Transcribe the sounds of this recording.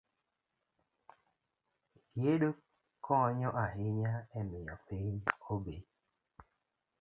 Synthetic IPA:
ɡjeɗo | kɔɲɔʔaɦɪɲaɛmɪɔpiɲobe

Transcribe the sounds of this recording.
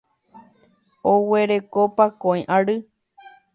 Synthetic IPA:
owe̞ɾe̞kopakõĩʔaɾɨ

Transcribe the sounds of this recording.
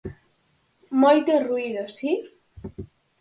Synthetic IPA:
mojt̪eruiðosi

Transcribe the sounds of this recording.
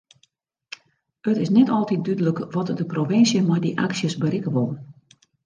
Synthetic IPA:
ətɪsnɛtɔlˠtit̚dydələkʋɔtdəprofɪnsjəmɔjdiʔa̰ksjəsbəɾɪkəʋolˠən

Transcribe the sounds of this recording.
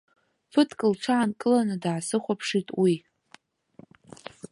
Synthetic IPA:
fɨtʰkʼɨlʈ͡ʂʷʰaʕankʼɨlanɨdʕasɨχʷapʰʂitʼwi

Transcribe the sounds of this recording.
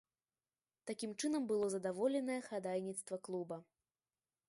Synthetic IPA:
t̪akʲimt͡ʂɨnɐmbɨlˠɔzɐd̪avɔlʲɛnɐjɛxad̪ajnʲit̪st̪vɐklˠubɐ

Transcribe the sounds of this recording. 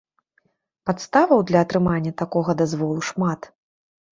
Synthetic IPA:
pat̪st̪avɐwd̪lʲɐːt̪ɾɨmanʲːɐt̪akɔɣɐd̪azvɔlˠuʂmat̪

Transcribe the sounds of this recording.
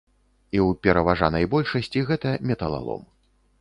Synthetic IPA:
iwpʲɛɾɐvaʐanɐjbɔlʲʂɐsʲt͡sʲiɣɛt̪ɐmʲɛt̪ɐlˠa̰lˠɔ̰m

